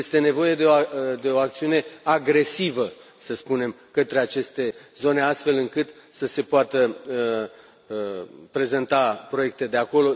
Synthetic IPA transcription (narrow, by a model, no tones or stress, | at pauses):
jest̪e̞ne̞vo̞je̞d̪eod̪e̞oak̚t̪siune̞aɡɾe̞sivə | səspune̞m | kət̪ɾe̞at͡ʃe̞st̪e̞zo̞ne̞ast̪fe̞lɨŋkɨt̪səse̞poat̪ə | pɾe̞ze̞nt̪apɾo̞je̞k̚t̪e̞d̪e̞ako̞lo̞